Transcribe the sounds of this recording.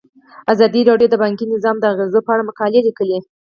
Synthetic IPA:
azɑd̪iɾɑɖjod̪əbɑŋkinɪzɑmd̪əaɣezopəaɽamʊkɑlelikəli

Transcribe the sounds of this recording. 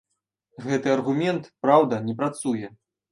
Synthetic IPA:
ɣɛt̪ɨɐrɣumʲɛnt̪pɾawd̪ɐnʲɛpɾat̪sujɛ

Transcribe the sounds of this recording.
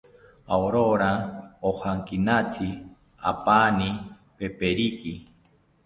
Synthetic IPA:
aoɾoɾaohaŋkinat͡si | a̰pani | pepeɾiki

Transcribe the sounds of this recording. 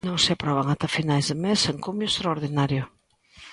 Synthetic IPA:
nõŋsɪapɾɔβ̞aŋat̪afinajzðɪmeseŋkumjʊest̪ɾaoɾðinaɾjʊ

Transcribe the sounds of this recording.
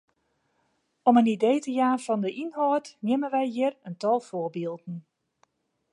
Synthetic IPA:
ɔmənidejtəjaːfɔndəʔinhɔətnjɪmənʋɛjjɪərəntɔlˠfʊəbilˠdn̩

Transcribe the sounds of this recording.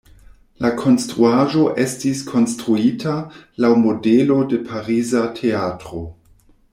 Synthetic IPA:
lakʰo̞nstɾuaʒo̞ʔe̞stiskʰo̞nstɾuitʰalawmo̞delo̞de̞pʰaɾizatʰe̞atɾo̞

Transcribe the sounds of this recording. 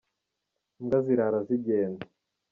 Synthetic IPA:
ŋɡaziɾaɾaziɟeːnda

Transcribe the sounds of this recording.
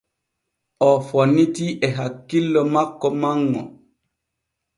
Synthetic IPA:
ɔfɔnːitiʔɛɦakːilːɔmakːɔmaŋːɔ̰

